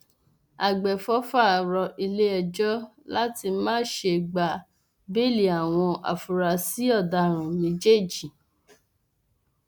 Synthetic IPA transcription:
a˨ɡ͡bɛ˨fɔ˦fa˦˨ɾɔ˧ʔi˧le˦ɛ˧d͡ʒɔ˦ | la˦ti˧mãː˦ʃe˧ɡ͡ba˨ | be˦˨li˨˦a˨w̃ɔ̃˧ʔa̰˨fu˨ɾa˧si˨˦ɔ˦˨da˧ɾ̃ũ˨mĩ˨˦d͡ʒe˦˨d͡ʒi˨

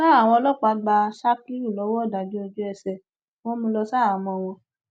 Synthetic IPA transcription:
a˦a˦˨w̃ɔ̃˧lɔ˦k͡pa˨˦ɡ͡ba˧ʃa˦ki˦ɾu˦˨lɔ˨˦wɔ˦˨da˨di˨˦o˧d͡ʒu˦ɛ˧sɛ˨ | w̃ɔ̃˦mũ˧lɔ˧sa˦a˨mɔ̃˧˨˧w̃ɔ̃˧

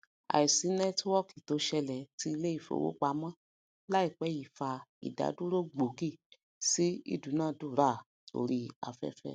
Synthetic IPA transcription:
a̰˨i˨si˨˦nɛ˦twɔ˦˨ki˨to˨˦ʃɛ˧lɛ˨ti˧˦i˧le˦i˦˨fo̰˨wo̰˨˦k͡pa˧˨˦mã˦ | la˦i˦˨k͡pɛ˨˦ji˨fa˧ḭ˨da̰˨˦du˦ɾo˦ɡ͡bo˨˦ki˦˨ | si˦ḭ˦dũ˨˦nãː˦˨du˦˨ɾa˦˨ | to̰˧ɾi˧a̰˨fɛ̰˦fɛ̰˦˨

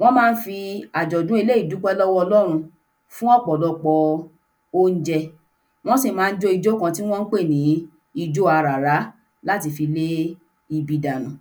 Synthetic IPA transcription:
w̃ɔ̃˦mãː˦˧n̩˦fi˧a˨d͡ʒɔ˨dũ˦e˧le˦i˦˨du˨˦k͡pɛ˦lɔ˦wɔ˦ɔ˧lɔ˦ɾ̃ũ˧ | fũ˦ɔ˦˨k͡pɔ˨lɔ˨˧k͡pɔ˧ | o˦n̩˦d͡ʒɛ˧ | w̃ɔ̃˦si˦˨mãː˨˦˧n̩˦d͡ʒo˧˦i˧d͡ʒo˦kã˧ti˦w̃ɔ̃˦n̩˦k͡pe˦˨nĩ˨˦ | i˧d͡ʒo˦a˧ɾa˨ɾa˨˦ | la˦ti˧fi˧le˦ | i˧bi˧da˨nũ˨

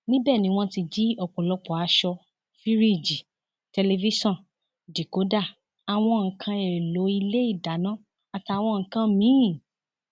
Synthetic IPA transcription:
nĩ˦bɛː˦˨nĩ˨˦w̃ɔ̃˧ti˧d͡ʒi˦ɔ˧˨k͡pɔ̃˨lɔ˨˧k͡pɔ˨a˧ʃɔ˧ | fi˦ɾi˦˨d͡ʒi˨ | tɛ˧le˧vi˦sɔ̃˦˨n | di˨ko˨˦da˦˨ | a˧w̃ɔ̃˧ŋ̩˨kʰã˧ɛ˨ɾe˨lo˨˦i˧le˦i˦˨da˨˦nã˦ | a˧ta˧w̃ɔ̃˧ŋ̩˨kã˧mĩ˨˦˨

